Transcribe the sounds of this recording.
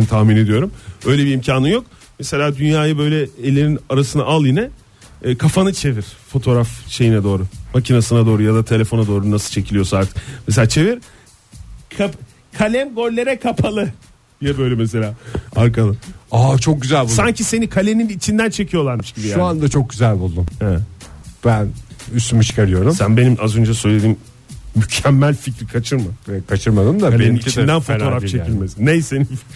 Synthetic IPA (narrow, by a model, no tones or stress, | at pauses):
t̪ʰahmine̞d̪ijo̞ɾumø̞jlʲebiːmcʰaːnɯnjo̞k̚ | mese̞lʲaːd̪ynjaːjabø̞jlʲɛelʲininaɾasɯna̰ʔalˠjinɛː | kʰafanɯt͡ʃʰe̞viɾ̥fo̞t̪ʰo̞ːɾafʃe̞jinɛd̪o̞ːɾumacʰinasɯnad̪o̞ːɾujad̪at̪ʰe̞lʲe̞fo̞nad̪o̞ːɾunasɯlˠt͡ʃʰe̞cʰilʲijo̞saɾt̪ʰɯ̥k̚mes̬elʲaːt͡ʃʰe̞viɾ | kʰap | kʰalʲɛmɡoɾʲlʲe̞ɾɛkʰapʰalˠɯ | d̪̥ijɛbøjlʲɛmes̬e̞lʲaːaɾkalˠɯaːt͡ʃʰo̞k̚ɟyzælʲbulsaɲcʰise̞nikʰalʲe̞ninit͡ʃʰind̪ænt͡ʃʰe̞cʰijo̞lˠaɾmɯʃɟiʃbijauand̪at͡ʃʰo̞k̚ɟyzælʲbulˠd̪umɛb̥ænyst̪ʰymit͡ʃʰi̥kaɾɯjo̞ɾumsænbenimʔazø̞nd͡ʒasø̞jlʲe̞d̪imː | ycʰɛmːælʲficɾikʰat͡ʃʰɯɾmaɛkʰat͡ʃʰɯɾmad̪ɯmd̪aeniit͡ʃid̪ænfooɾaft͡ʃʰe̞cʰilʲmesnejseni